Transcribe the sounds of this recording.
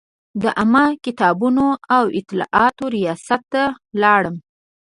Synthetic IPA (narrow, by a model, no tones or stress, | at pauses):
d̪əʔamakɪt̪ɑbunoawɪt̪ɪlɑ̰ʔɑt̪oɾijɑsat̪ːa | lɑɽəm